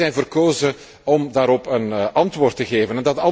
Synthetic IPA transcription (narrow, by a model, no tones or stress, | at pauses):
ɛjnvərkoːzə | ɔmdaːɾɔpənɑntʋoːrtəɣeːvənɛndɑtɑ